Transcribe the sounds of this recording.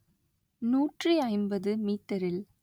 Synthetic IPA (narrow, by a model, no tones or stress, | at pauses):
nuːʈriɐɪmbɐðɯmiːt̪ːɐɾɪl